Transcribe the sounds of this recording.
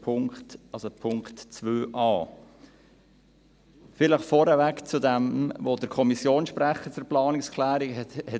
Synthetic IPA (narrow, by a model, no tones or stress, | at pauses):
pʰʊŋktɑlsopʰʊŋktt͡svøːʔɑː | fɪləχfɔɾəvækt͡sudɛmvod̥əɾkʰɔmisjoːnʃpɾæχət͡suɾplɑːnɪkskʰlæːɾihɛ